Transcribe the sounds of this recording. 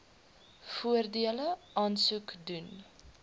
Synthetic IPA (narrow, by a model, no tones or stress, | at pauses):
fuərdiələʔɑːnsukdun